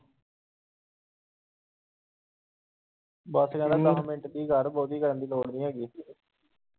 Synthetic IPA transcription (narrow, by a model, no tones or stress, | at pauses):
bəsɡãːnãːt̪aɦãːmɪ̃ɳʈd̪iːɡəɾbɔːt̪iːɡəɾənd̪iːloːɽnĩːɦɛːɡiː